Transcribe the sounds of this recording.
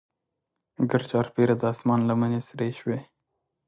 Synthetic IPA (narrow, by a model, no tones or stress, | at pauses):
ɡəɾt͡ʃɑːɾpeɾad̪əɑsmɑːnlamənesɾeʃwe